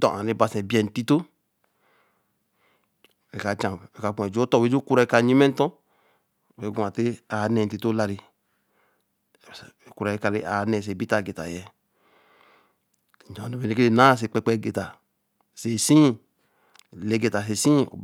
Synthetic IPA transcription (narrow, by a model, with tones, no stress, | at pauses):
to̰˨a̰˨ni˨˦ba˨sɛ̃˨bi˦ɛ˨n̩˨ti˦to˦ | e˨ka˨t͡ʃã˨e˨ka˨k͡pu˨e˨d͡ʒu˦o˦to˦˨we˦d͡ʒu˦ku˦ɾe˦ka˨ɲi˦me˦n̩˦tɔ̃˦˨ | e˨˦ɡu˦a˨te˦a˨˦nɛ˨n̩˨ti˦to˦la˦˨ɾi˦˨ | ku˨ɾe˨˦ka˨li˦ʔa̰˨˦nɛ˨s̬e˨bi˦ta˦˨ɡe˨ta̰˨jɛ˨ | d͡ʒo˨no˨we˨ne˨ke˦e˦˨na˦˨s̬e˨k͡pe˦˨˦k͡pe˦˨ɡe˨ta˨ | se˨si˦˨ | le˨˦˨ɡe˨ta˨se˨sḭ̃˦˨